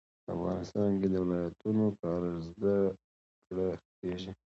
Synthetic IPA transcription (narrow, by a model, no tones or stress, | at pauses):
pəa̰fɣɑ̰nɪst̪ɑnked̪əwɪlɑjat̪unokɑɾəzd̪ə | kɽəpeʒi